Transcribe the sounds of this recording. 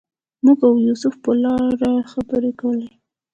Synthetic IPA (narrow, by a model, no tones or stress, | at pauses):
muɡawjusʊfpəlɑɾaxabəɾekawle